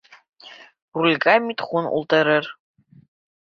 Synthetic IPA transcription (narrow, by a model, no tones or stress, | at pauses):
rulʲɡamitχʷʊnʊ̰lˠtʰʼɐɾɐr